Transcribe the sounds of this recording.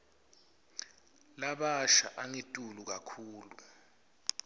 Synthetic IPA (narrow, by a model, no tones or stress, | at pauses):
laɓaʃa̰ʔaŋitʼuluk̬akʰuːlu